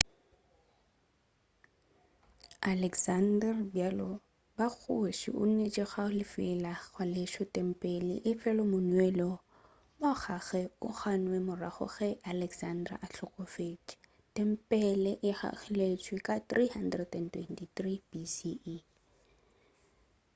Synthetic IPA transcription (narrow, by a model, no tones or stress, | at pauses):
alɛksandɛrbjalɔ | bak͡xʰʊʃḭʔʊ̰n̩net͡ʃʼɪχaʊlɪfɪlaɣwalɪʃɔtʼɛm̩pʼɛlɪ̰ʔɪfɛlɔmʊnwɛlɔ | mɔχaɣɛʊχanwɛmʊraχɔ̰χɛʔalɛksandra̰ʔaɬɔkʼɔfet͡ʃʼ | tʼɛm̩pʼɛlɛʔɪha̰χɪlet͡ʃʼwɪkʼat̪rihan̩drɛdɛntwɛ̰ntʼitribisi